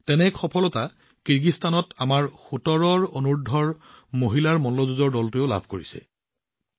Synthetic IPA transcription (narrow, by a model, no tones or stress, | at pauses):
tɛnɛkxɔpʰɔlɔta | kiɹɡistanɔtamaɹxutɔɹɔɹonuɹdʱɔɹmoɦilaɹmɔnlɔzuzɔɹdɔltʊeʊla̰bʱkoɹisɛ̰